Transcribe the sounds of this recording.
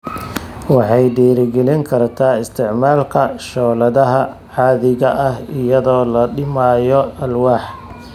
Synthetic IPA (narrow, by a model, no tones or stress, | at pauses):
wɑħɑjɖɛːɾɪɡɛlɪŋkʰɐrt̪ʰaːɪst̪ʰɪʕmaːlkʰɐʃɔːlɐðɐɦɐ | ʕɑːðɪɣɐʔɐhɪjɐðɔːlɐɖɪmaːjɔʔɐlwɑːħ